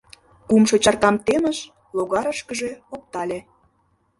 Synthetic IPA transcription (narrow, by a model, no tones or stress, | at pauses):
kumʃot͡ɕɑrkɑmt̪enə̆ʃ | loɣɑɾəʃkəʒeop̚t̪ɑlʲe